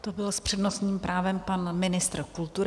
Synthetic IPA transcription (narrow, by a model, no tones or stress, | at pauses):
t̪obɪlspr̥ɛdno̞st̪ɲiːmpɾʔaːvɛmpanmɪnɪst̪ɾkult̪uɾɪ